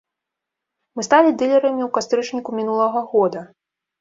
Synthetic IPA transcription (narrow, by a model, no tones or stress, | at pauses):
mɨst̪alʲid̪ɨlʲɛɾɐmʲiwkast̪ɾɨt͡ʂnʲikumʲinulˠɐɣɐɣɔd̪ɐ